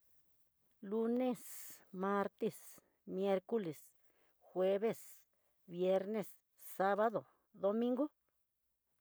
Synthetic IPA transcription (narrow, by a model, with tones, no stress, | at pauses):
lu˧ne˦sma˧ɾt̪e˦s | mje˧ɾko˦le˨s | xwe˧βe˦s | bje˧ɾne˧s | sa˦βa˦ðo˨ | d̪o˧mĩ˦ŋɡo˦